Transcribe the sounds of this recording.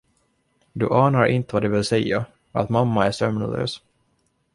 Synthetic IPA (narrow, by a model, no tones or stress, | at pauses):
d̪ɵʔɑːnaɾʔɪ̰nt̪əvad̪ɛvɪlsɛjːa | a̰t̪mamːaæʂœmnɔ̰lø̰ːs